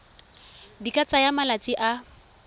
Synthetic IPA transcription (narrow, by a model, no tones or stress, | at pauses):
dikʼat͡sʼajamalat͡sʼiʔa